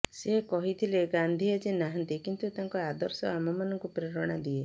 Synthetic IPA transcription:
sekɔɦit̪ʰileɡand̪ʱiad͡ʒenaɦant̪ikint̪ut̪aŋkɔad̪ɔɾsɔamɔmanɔŋkupɾeɾɔɽ̃ad̪ie

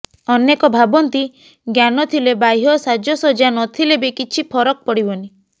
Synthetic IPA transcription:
ɔnekɔbʱabɔnt̪i | ɡjanɔt̪ʰilebajɦɔsad͡ʒɔsɔd͡ʒanɔt̪ʰilebekit͡ʃʰipʰɔɾɔk̚pɔɽibɔni

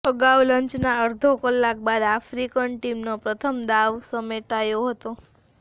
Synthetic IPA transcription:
pəɡaʋləɲt͡ʃnaəɾd̪ʱokəlːak̚bad̪afɾikənʈimnopɾət̪ʰəmd̪aʋsəmeʈajoɦət̪o

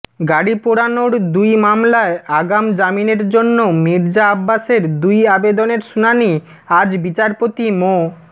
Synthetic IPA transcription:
ɡaɽipoɽanoɾd̪ujmamlaeaɡamd͡ʑamineɾd͡ʑonːomiɾd͡ʑaabːaʃeɾd̪ujabed̪oneɾʃunani | ad͡ʑbit͡ɕaɾpot̪imo

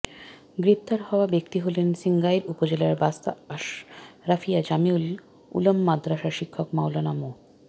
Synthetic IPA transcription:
ɡɾep̚t̪aɾhɔoabekt̪iɦolensiŋɡajɾupod͡ʑelaɾbast̪aaʃɾafʰijad͡ʑamiul | ṵlomːad̪ɾaʃaʃikʰːokmawlanamo

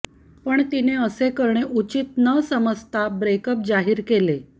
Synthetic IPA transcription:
pəɳt̪ineəsekəɾɳeʔut͡ɕit̪nəsəməst̪ʰabɾekəp̚d͡zaɦiːɾkele

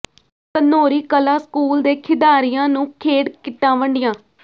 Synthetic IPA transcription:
k̪ənoːɾiːkəlaːskuːld̪eːkʰɪd̪aːɾijãːnũːkʰeːɽkɪʈːãːʋəɳɖɪjãː

